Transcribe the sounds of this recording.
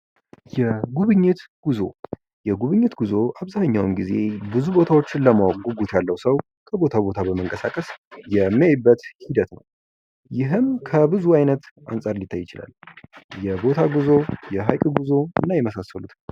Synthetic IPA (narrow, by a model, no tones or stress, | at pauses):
jɛɡuβɨɲːɪt̪ɡ̥uzo̞̰ | jɛɡuβɨɲːɪt̪ɡuzo̞ʔaβzaɲːawɨnɡize̞̰bɨzubo̞t̪ʰawo̞t͡ʃːɪnləmawaɡuɡut̪jalːəwsəw | kʰəbo̞t̪ʰabo̞t̪ʰabəməŋkʼəsakʼəsjɛmːiajbːət̪hid̪ət̪nə̰w | jɪɦɨmkʰəbɨzuajnət̪ʔa̰nsʼaɾlit̪ʰːajːɪt͡ʃɪla̰ljɛbo̞t̪ʰaɡuzo̞jɛɦajkʼɡuzo̞ɨ̰nːajɛməsasːəlut̪